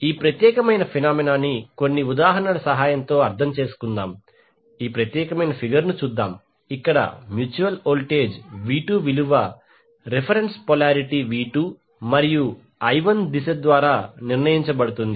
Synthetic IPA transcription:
iːpɾɐt̪jɛːkɐmɐjnɐpʰinaːminaːniko̞nːiud̪aːɦɐnɐlɐsɐɦaːjɐnt̪o̞ːɐɾt̪ʰɐmt͡ʃe̞ːsu̥kund̪aːm | iːpɾɐt̪jɛːkɐmɐjnɐpʰiɡɐɾnut͡ʃuːd̪ːa̰ːm | ikːɐɽɐ̰mjuːt͡ʃuʋɐloːlʈe̞ːd͡ʒʋiːʈuːʋiluʋɐ | ɾepʰɐɾenspɔlaːɾiʈiʋiːʈu | mɐɾiju | ɐjʋɐnd̪isɐd̪ʋaːɾaːniɾnɐjiɲt͡ʃɐbɐɽut̪und̪i

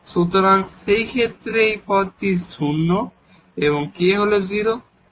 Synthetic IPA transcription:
ʃut̪oɾaŋʃejkʰet̪ːɾejpʰɔt̪isunːo | eβoŋkeɦoloziɾo

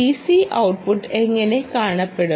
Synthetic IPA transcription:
isiʔɐwʈ̚puʈːeŋːɐne̞kaːɳɐpːeɽu

